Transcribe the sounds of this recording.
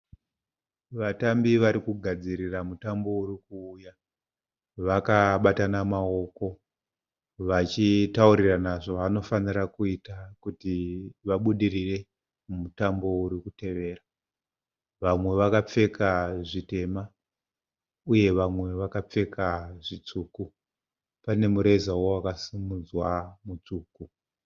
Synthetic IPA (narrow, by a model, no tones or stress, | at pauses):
ʋatambiʋaɾikuɡʱad͡ziriramutambo̞urikuːja | ʋakaɓatanamao̞ko̞ | ʋat͡ʃitauɾiranaʐoʋano̞fanirakuitakutiʋaɓuɗirire̞ | mumutambo̞uɾikute̞ʋe̞ːra | ʋamwe̞ʋakap͡fe̞kʰaʐite̞ma | uje̞ʋamwe̞ʋakap͡fe̞kʰaʐit͡suːku | pane̞muɾe̞zawowakasimud͡zwamut͡suːku